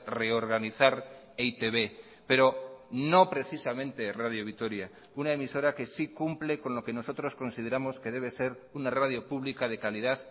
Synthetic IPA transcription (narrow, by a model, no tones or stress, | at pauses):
re̞o̞ɾɣaniθaɾ | eit̪e̞βe̞ | pe̞ɾo̞no̞pɾe̞θisamẽ̞nt̪e̞rað̞joβ̞it̪o̞ɾja | unaemiso̞ɾake̞sikumple̞ko̞nlo̞ke̞no̞so̞t̪ɾo̞sko̞nsið̞e̞ɾamoske̞ð̞e̞β̞e̞se̞ɾ | unaraðjo̞puβ̞likað̞e̞kaliðað